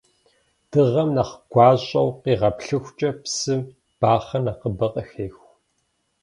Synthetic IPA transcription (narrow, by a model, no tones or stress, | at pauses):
d̥ɨʁɐmnɐχɡ̥ʷɑːɕʼɐwqiːʁɐpɬɨxʷt͡ʃʼɐpsɨm | b̥aːχɐnɐqəbɐqʼɐxeːxʷ